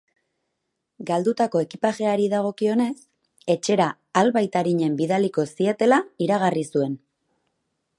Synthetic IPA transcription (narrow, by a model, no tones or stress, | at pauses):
ɡald̪ut̪ako̞e̞kipaʃe̞aɾiðaɣ̞o̞kio̞ne̞s | e̞t͡ʃe̞ɾaː | lβajt̪aɾiɲe̞mbiðaliko̞sie̞t̪e̞laiɾaɣ̞arisue̞n